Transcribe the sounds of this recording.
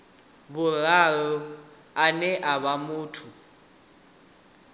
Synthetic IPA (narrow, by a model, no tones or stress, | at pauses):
βuraɺɔ | anɛʔaβamuːtʰu